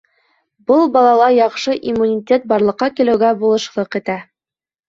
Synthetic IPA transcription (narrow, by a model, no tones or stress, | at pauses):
bɤlˠbɑlˠɑlˠɑjɑχʃɤʔimːunʲitʲet̪̚bɑɾlˠɤ̆qːɑkilɘ̆wɡæbulˠɤ̆ʃlˠɤqit̪æ